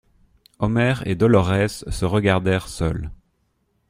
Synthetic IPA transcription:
ɔmɛʁḛd̪ɔlɔʁɛsːəʁəɡaʁd̪ɛʁsœ̰l

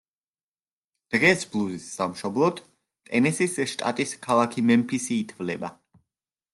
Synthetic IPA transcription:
d̪̥ʁɛsblˠuzisːamʃɔblˠɔt̪ | t̪ʼɛnisisʃt̪ʼa̰t̪ʼiskʰalˠakʰimɛmpʰisiːt̪ʰvlɛba

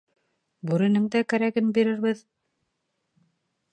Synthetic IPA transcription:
bʉɾɘ̆nɘŋd̪ækæɾæɡɘnbiɾɘ̆ɾβɘð

